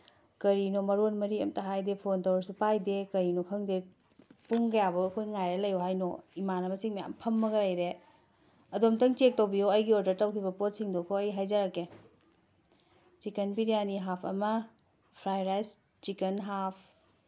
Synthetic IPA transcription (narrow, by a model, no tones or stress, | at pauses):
kɐɾinomɐɾonmɐɾiɐ̰mtɐɦajdepʰontɐwaɾsupajdekɐɾinokʰɐŋde | puŋɡɐjabɐɐkʰojŋajɾɐlɐjoɦajno̰imanɐmɐsiŋmɐja̰mpʰɐmːɐɡɐlɐjɾe | ɐdomtɐŋt͡ʃek̚tɐwbijoɐjɡioɾdɐɾtɐwkʰibɐpot̚siŋdokʰoɐjɦajzɐɾɐke | t͡ʃikenbiɾijaniɦapʰɐ̰mɐ | pʰɾajɾajs | t͡ʃikenɦapʰ